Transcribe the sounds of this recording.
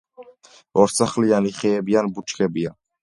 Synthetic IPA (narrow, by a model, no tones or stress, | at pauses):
ɔɾsʰaχlianiχɛːbianbut͡ʃʰkʰɛbia